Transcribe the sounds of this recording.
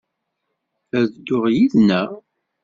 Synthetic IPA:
æðd̪ːʊʁjiðnæ

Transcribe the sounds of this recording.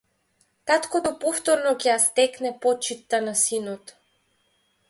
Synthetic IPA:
k̪at̪kot̪opɔft̪ɔɾnɔkʲɛjast̪ɛknɛpɔt͡ʃit̪ːanasinɔt̪

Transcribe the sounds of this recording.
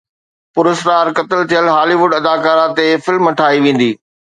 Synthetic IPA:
pʊɾɪsɾaːɾkɐt̪ɪlt̪ʰijəlɦaːliʋʊɖɐd̪aːkaːɾãt̪efɪlmɐʈʰaːiʋẽːn̆d̪iː

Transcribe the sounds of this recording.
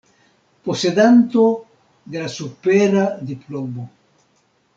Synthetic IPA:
poseðant̪o | d̪elasupeɾad̪iplɔmbo

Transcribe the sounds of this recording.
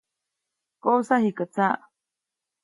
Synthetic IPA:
kousahikat͡saʔ

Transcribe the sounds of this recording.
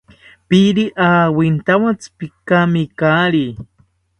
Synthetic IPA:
piɾiʔaːwint̪awat͡spikamikaːɾi

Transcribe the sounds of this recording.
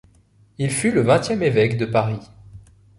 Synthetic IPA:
ilfyləvɛ̃t̪jɛmevɛkd̪əpaʁi

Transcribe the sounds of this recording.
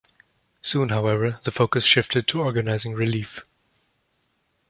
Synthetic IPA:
sũnɦaʊɛvə˞ðəfoʊkɨsʃɪftɨd̚tʰəɔɹɡɨnaɪzɪ̃ŋɹɪlif

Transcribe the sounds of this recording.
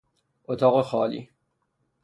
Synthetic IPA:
ʔot̪ʰɒːɣexɒːlḭː

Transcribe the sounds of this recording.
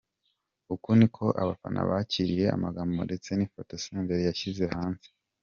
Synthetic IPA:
ukunikʰo̞ʔa̰βafa̰nʔa̰βaciɾije̞a̰maɡambo̰de̞t͡se̞nifotoseːmbeɾijaçize̞haːnze̥

